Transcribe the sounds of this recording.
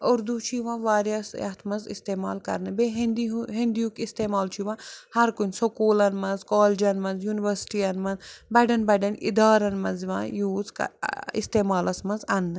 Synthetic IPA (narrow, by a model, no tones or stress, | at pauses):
oɾd̪ut͡ʃʰiʋãːʋaːɾjasɐ̰t̪ʰmɐnzḭst̪eːma̰ːlkɐ̰ɾnɨbeːɦind̪iɦĩnd̪ijukist̪eːmaːlt͡ʃʰiʋãːhɐɾkunʲsokuːlɐnmɐnzkoːld͡ʒɐnmɐnzjuːniʋɐɾsʈijɐnmɐnzbɐɖɐnbɐɖɐnḭd̪aːɾɐnmɐnzʋã̰ːjuːzkḭst̪eːmaːlɐsmɐnzɐnːɨ